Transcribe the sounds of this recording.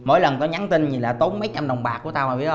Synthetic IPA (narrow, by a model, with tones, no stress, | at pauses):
mo̰˧˦jlə˨˩nkɔ˨˦ɲa˨˦ŋt̪ï˧nɲi˨˩laː˨˩t̪o˨˦nmə˨˦jt͡ɕa˧mɗə˨˩wŋ͡mɓaː˨˩ku˧˩ət̪aː˧whaː˨˩ɓḭ˧˦ət̚